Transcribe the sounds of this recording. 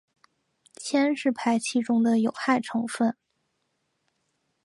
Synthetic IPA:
t͡ɕʰjɛ˥nʂɻ̩˥˧pʰa˥˧ɪt͡ɕʰi˥˩ʈ͡ʂʊ˥ŋd̪ə˨jo˨˩ʊxa˥˩ɪʈ͡ʂʰɤ˧˥ŋfə˥˩n

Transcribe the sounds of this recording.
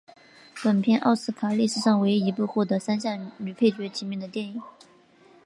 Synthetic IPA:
pə˨˩npʰjɛ˥˧nʔɑ̰˥˧ʊsɹ̩˥˩kʰa˨˩li˥˩ʂɻ̩˨˩ʂɑ˥˩ŋwe˧˥ɪi˧˥pu˥˧xwɔ˥˩t̪ɤ˧˥sa˥nɕ̬jɑ˥˩ŋly˨˩pʰe˥˩ɪt͡ɕɥɛ˧˥t͡ɕʰi˧˥mjɛ˥˩ŋd̪ə˩t̪jɛ˥˩ni˨˩˦

